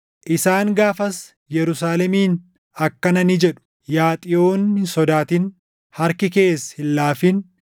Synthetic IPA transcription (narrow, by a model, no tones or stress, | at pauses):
ʔɪsaːŋɡaːfɐs | jɛɾʊsaːlɛmiːn | ɐkːɐnɐnɪd͡ʒɛᶑʊ̥ | jaːt̪ʼɪʔoːnhɪnsɔd̪aːt̪ɪn | hɐɾkɪke̞ːshɪlːaːfɪn